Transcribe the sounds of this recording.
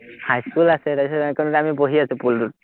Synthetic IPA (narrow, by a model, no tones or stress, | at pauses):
hajskulasɛɾaisɔɛkɔnɾamiboɦiasʊpuldut